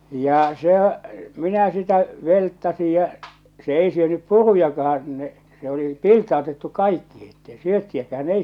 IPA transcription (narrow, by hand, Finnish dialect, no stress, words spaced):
jɑ sehæ minæ sitæ ʋeltːɑsij jɑ se ei syønyp purujɑkɑhɑn n̥e̥ se oli piltˑɑotetːu kɑikːihi etːei syøtːiækæːn ei